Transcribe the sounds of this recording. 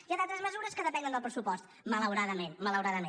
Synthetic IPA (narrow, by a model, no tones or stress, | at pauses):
ijaðat̪ɾəzməzuɾəskəðəpɛnənd̪əlˠpɾəsupɔst̪ | mələwɾaðəmenmələwɾaðəme